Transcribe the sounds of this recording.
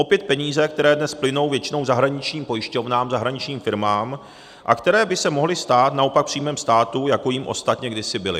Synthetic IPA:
ʔo̞pjɛt̪̚pɛɲiːzɛk̚t̪ɛɾɛːdnɛsplɪno̞wvjɛt͡ʃɪno̞wzaɦɾaɲɪt͡ʃɲiːmpo̞jɪʃco̞vnaːmzaɦɾaɲɪt͡ʃɲiːmfɪɾmaːm | ʔa̰kt̪ɛɾɛːbɪsɛmo̞ɦlɪst̪aːt̪nao̞pak̚pr̝̥iːmɛːmst̪aːt̪ujako̞jimʔo̞̰st̪at̪ɲɛɡdɪsɪbɪlɪ

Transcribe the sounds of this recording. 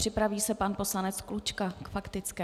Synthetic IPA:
r̥ɪpɾaviːsɛpanpo̞slanɛt͡sklut͡ʃkakfakt̪ɪt͡skɛː

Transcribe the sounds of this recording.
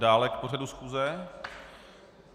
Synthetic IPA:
daːlɛkpo̞r̝adusxuːzɛ

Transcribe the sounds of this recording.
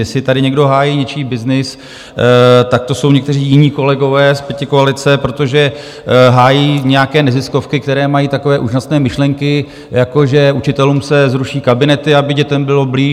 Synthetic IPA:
jɛsɪt̪adɪɲɛɡdo̞ɦaːjiːɲɛt͡ʃiːbɪznɪs | t̪ak̚t̪oso̞wɲɛkt̪ɛr̝iːjɪɲiːko̞lɛɡo̞vɛːspjɛcɪkoalɪt͡sɛpɾo̞t̪o̞ʒɛ | ɦaːjiːɲɛjakɛːnɛzɪsko̞fkɪkt̪ɛɾɛːmajiːt̪ako̞vɛːʔuːʒasnɛːmɪʃlɛŋkɪ | jako̞ʒɛut͡ʃɪt̪ɛluːmsɛzɾuʃiːkabɪnɛt̪ɪabɪɟɛt̪ɛmbɪlo̞bliː

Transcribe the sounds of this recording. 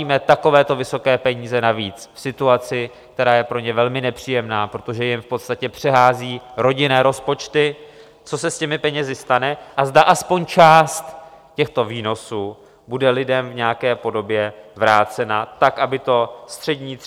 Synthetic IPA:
iːmɛt̪ako̞vɛːt̪o̞vɪso̞kɛːpɛɲiːzɛnaviːt͡sfsɪt̪uat͡sɪ | k̚t̪ɛɾaːjɛpɾo̞ɲɛvɛlmɪnɛpr̝̥iːjɛmnaːpɾot̪o̞ʒɛjɪmfpot̪st̪acɛpr̥ɛɦaːziːɾo̞ɟɪnɛːɾo̞spo̞t͡ʃt̪ɪ | t͡so̞sɛscɛmɪpɛɲɛzɪst̪anɛʔazdaʔaspo̞ɲt͡ʃaːst̪cɛxt̪o̞viːno̞suː | budɛlɪdɛmvɲɛjakɛːpo̞do̞bjɛvɾaːt͡sɛnat̪akʔabɪt̪o̞st̪r̥ɛdɲiː

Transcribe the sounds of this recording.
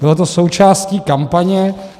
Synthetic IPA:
bɪlot̪o̞so̞wt͡ʃaːsciːkampaɲɛ

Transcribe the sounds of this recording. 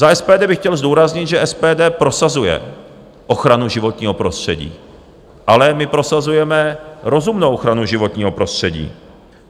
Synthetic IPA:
zaʔɛspɛːdɛːbɪxcɛlzduːɾazɲɪt̪ʒɛʔɛspɛːdɛːpɾo̞sazujɛ̰ | ʔo̞xɾanuʒɪvo̞t̪ɲiːɦo̞pɾo̞st̪r̝̥ɛɟḭː | ʔalɛmɪpɾo̞sazujɛmɛɾo̞zumnowʔoxɾanuʒɪvot̪ɲiːɦo̞pɾo̞st̪r̥ɛɟḭː

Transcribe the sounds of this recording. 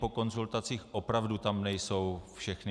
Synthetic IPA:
po̞ko̞nzult̪at͡siːxʔo̞pɾavdut̪amnɛjso̞wfʃɛxnɪ

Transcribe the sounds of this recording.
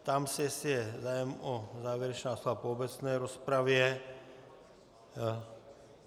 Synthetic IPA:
t̪amsɛɛsɪjɛzaːjɛmozaːʋjɛɾɛt͡ʃnaːsovapoobɛt͡snɛːɾospɾavjɛ

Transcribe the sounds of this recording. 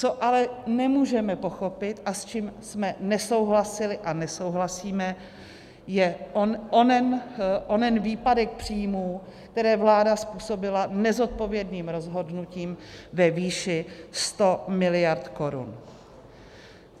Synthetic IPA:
t͡so̞ʔalɛnɛmuːʒɛmɛpo̞xo̞pɪt̪ʔast͡ʃiːmsmɛnɛso̞wɦlasɪlɪʔanɛso̞wɦlasiːmɛ | jɛoonɛnʔonɛnviːpadɛk̚pr̝̥iːjmuːkt̪ɛɾɛːvlaːdaspuːso̞bɪlanɛzo̞t̪̚po̞vjɛdniːmɾo̞zɦo̞dnuciːmvɛviːʃɪst̪o̞mɪlɪjaɾt̪ko̞ɾṵn

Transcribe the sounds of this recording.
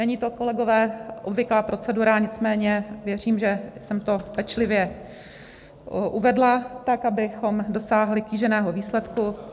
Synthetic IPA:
nɛɲiːt̪o̞ko̞lɛɡo̞vɛːʔobvɪklaːpɾʔo̞t͡sɛduɾaɲɪt͡smɛːɲɛvjɛr̝iːmʒɛsɛmt̪o̞pɛt͡ʃlɪvjɛ | ʔuvɛdlat̪akabɪxo̞mdo̞saːɦlɪkiːʒɛnɛːɦoviːslɛt̪ku

